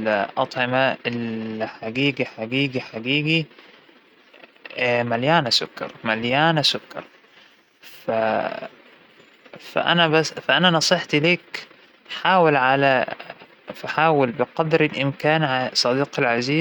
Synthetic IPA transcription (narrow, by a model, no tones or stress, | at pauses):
ʔɑt̪ˤʕɪmaɪlħaɡiːɡiħaɡiːɡiħaɡiːɡi | maljaːnasʊkːɑ̰ɾˤmaljaːnasʊkːɑ̰ɾˤ | fa | fa̰ʔa̰nabafaʔananɑsˤɨħt̪liːk | ħaːwalʕala | faħaːwalbɪqɑd̪ɾɪlʔɪmkaːnʕasˤɑd̪iːqalʕaziː